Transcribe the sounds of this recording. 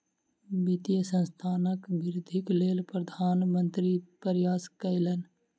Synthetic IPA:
bit̪ijəsə̃nst̪ʰaːnəkbɪɾɪd̪ʱɪkleːlpɾəd̪ʱaːnmə̃nt̪ɾipəɾjaːskəɪlən

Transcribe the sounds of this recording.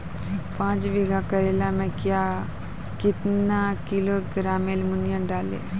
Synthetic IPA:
pãːt͡ʃʋeːɡakəɾeːlamɛ̃kjaː | kɪt̪nakɪloɡɾaːmelmʊnjãɖaːlḛː

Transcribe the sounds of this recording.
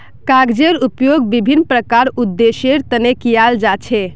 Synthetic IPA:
kaɡd͡ʒeɾupjoɡbibʱinːpɾəkaɾud̪ːeseɾt̪ənekijald͡ʒat͡ʃʰɛ

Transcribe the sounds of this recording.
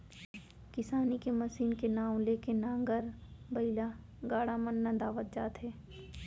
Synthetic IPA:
kɪsaːnikeməsiːnkenaːw̃leːkenãːŋɡəɾbɐila | ɡaːɽamənːãd̪aːʋət̪̚d͡ʒaːt̪ɦɛː

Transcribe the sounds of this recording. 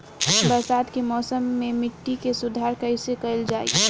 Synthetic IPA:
pɾəsaːd̪kemɔːsəmːemɪʈːikesʊd̪ʱaɾkəɪsekəɪld͡ʒaːḭ

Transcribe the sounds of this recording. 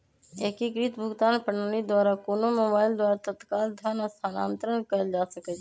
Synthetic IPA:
eːkikɾit̪bʱʊɡt̪aːnpəɳaːnid̪waːɾakoːnomoːbaːɪld̪waːɾat̪ət̪kaːld̪ʱaːnɔst̪ʰaːnaːnt̪ɾənkəd͡ʒaːsəkɛt͡ʃ

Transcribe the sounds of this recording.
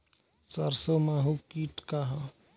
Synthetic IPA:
səɾsomaɦukiːʈkaɦa

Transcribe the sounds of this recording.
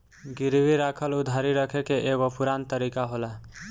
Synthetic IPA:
ɡiɾbʱiɾakʰəlud̪ʱaɾiɾʌkʰekeʔeɡopuɾant̪əɾikaɦola

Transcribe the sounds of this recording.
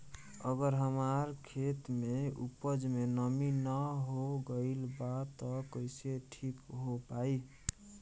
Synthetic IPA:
əɡəɾɦəmaɾkʰet̪meṵpəd͡ʒmenəminəɦoɡəɪlbat̪ɔkəɪseʈʰikɦopai

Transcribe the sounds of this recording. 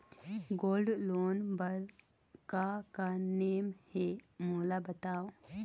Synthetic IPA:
ɡoːlɖloːnbəɾ | kakaneːmhemoːlabɐt̪aːo

